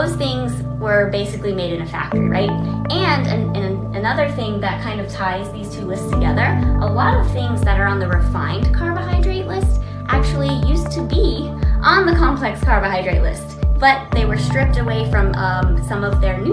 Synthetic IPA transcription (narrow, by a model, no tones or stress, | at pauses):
oʊz̥θɪ̃ŋz | wə˞beɪsɨklimeɪɾɨ̃nɨfæ̰k̚tə̰˞ḭɹa̰ɪt̚ɨ̃nɨ̰̃nɨ̃nɨɨnʌðə˞θɪ̃ŋðɨt̚kʰãɪ̃ndʌv̥tʰaɪzðiz̥tʰʉlɪststʰɨɡɛðə˞ʔəlɔɾʌv̥θɪ̃ŋzðɨɾə˞ə̃nðɨɹɨfãɪ̃ndkʰɑɹvəɦaɪdɹeɪʔˡlɪsts | ʔæk̚t͡ʃul̩ˠijʉstʰɨbi | ʔə̃nðɨkʰɑ̃mpʰl̥ɛkskʰɑɹvɨhaɪdɹeɪʔˡlɪ̰stsb̥ʌt̪̚ðeɪwə˞stɹ̥ɪp̚tɨweɪfɹʌ̃mʌsʌ̃mʌvðə˞n